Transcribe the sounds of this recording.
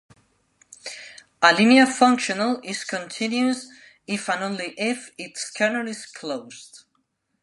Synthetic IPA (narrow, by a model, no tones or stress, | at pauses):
əliniəfʌ̃ŋkʃənəlˠɪz̥kʰə̃ntʰɪ̃njuz | ɪfə̃nõʊ̃nliʔɪfɪtskʰanəlɪz̥kʰloʊz̥d